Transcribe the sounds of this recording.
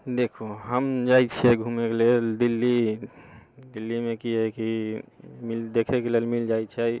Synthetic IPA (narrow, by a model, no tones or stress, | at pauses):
d̪ekʰoɦəmd͡ʒait͡ʃʰiɛɡʱumekeleld̪ilːi | d̪ilːimekiɦɛki | mild̪ekʰekelelmild͡ʒait͡ʃʰɛ